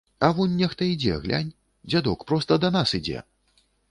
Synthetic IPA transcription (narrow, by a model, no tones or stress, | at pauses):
ɐvɔnʲːɛxt̪ɐid͡zʲɛ̰ɣlʲʔa̰nʲ | d͡zʲad̪ɔkpɾɔst̪ɐd̪ɐnasid͡zʲɛ̰